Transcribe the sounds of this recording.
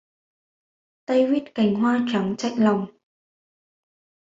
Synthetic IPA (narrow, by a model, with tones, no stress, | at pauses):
t̪ə˧jwi˦˥t̚ka˨˩˦jŋ̟ɦwaː˧t͡ɕa˨˦ŋt͡ɕa̰˧˨jŋ̟la˨˩wŋ͡m